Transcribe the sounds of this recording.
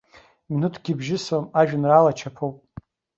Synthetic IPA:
minutʰɡʲibʒɪswamaʒᶣanralat͡ʃʰapʰowpʼ

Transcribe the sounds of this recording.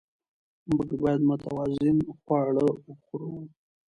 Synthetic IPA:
məɡbɑjad̪mʊt̪a̰wɑzɪnxwɑɽəxuɾowu

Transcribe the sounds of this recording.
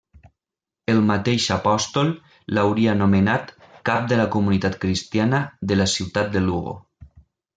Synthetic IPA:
əlˠmat̪eʃapɔst̪olˠ | lawɾianomenat̪kap̚d̪əlakumunit̪at̪kɾist̪janəðəlasiwt̪at̪̚d̪əluɣo̰

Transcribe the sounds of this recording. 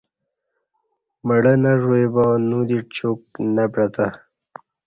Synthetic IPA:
məɽənaʐoebanud̪it͡ʃuk̚napɾat̪a

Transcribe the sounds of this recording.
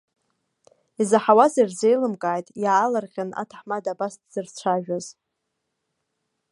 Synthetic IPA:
izaħawazarzejlɨmkʼaːjtʼjaːlarqʲana̰tʰaħmadabastʰʼz̥ɨrt͡ʃʷʰaʒᶣaz̥

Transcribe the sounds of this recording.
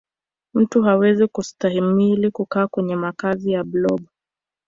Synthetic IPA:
m̩tuɦawɛzikustahimilikukaːkwɛɲɛmakazijablɔɡ

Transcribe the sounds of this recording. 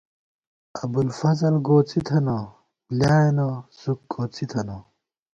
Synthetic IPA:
abulfɐzɐlɡoːt͡sit̪ʰɐno | ljaːjenosuk̚ɡoːt͡sit̪ʰɐno

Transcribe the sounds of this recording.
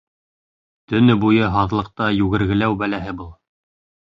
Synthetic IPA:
t̪ɵ̆nɘbujɤɦɑðlˠɤ̆q̚t̪ɑjʉɣɘ̆ɾɡɘ̆læwbælæɦɘbɤlˠ

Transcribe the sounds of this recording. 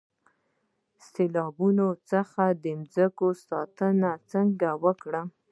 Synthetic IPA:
selɑbunot͡səxad̪əmzəkosɑt̪ənat͡səŋɡawəkɽə

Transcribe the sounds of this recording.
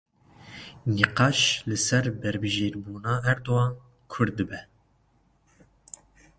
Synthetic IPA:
niqɑːʃlɨsɛɾbɛɾbɨʒeːɾbuːnɑːɛɾd̪oɑː | kʰʊɾd̪̚ɨbɛ

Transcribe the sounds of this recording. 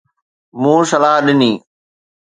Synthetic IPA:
mũːsəlaːɦɗɪniː

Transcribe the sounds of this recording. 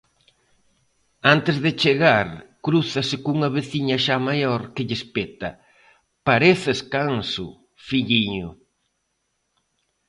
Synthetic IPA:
ant̪ɪzðɪt͡ʃeɣaɾkɾuθɐsɪkuŋɐβeθiɲɐʃamajoɾkɪʎɪspet̪ɐ | paɾeθeskansʊ̰ | fiʎiɲʊ

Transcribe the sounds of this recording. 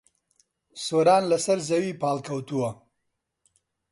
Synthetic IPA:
soːɾɑːnlasɐɾzɐwipaːlkɐwt̪uwa

